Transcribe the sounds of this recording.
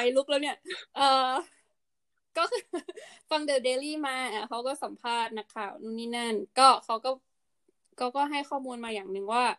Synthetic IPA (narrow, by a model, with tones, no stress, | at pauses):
a˧jlu˦˥˩k̚lɛː˦˩wni˦˥˩ɐʔɤː˨˧ | kɔː˥˩kʰːfa˧ŋdɤː˧˩deː˧liː˥˩maː˧ʔa˧˩kʰa˦˥wkɔː˥˩sa˨˩˦mpʰaː˥˩t̪̚na˦˥kʰaː˥˩wnuː˥˩niː˥˩na˥˩nkɔː˥˩kʰa˦˥wkɔː˥˩ | kʰa˦˥˩wkɔː˥˩ɦa˥˩jxʰɔː˥˩muː˧nmaː˧jaː˨˩ŋnɯ˨˧ŋwaː˥˩